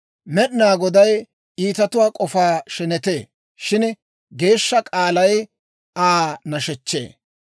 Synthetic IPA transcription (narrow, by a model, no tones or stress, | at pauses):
mɛɗnaːɡɔd̪ɐj | iːt̪ɐt̪ʊwaːkʼɔfaːʃɛnɛt̪eː | ʃɪn | ɡe̞ːʃːɐkʼaːlɐj | aːnɐʃɛt͡ʃːḛː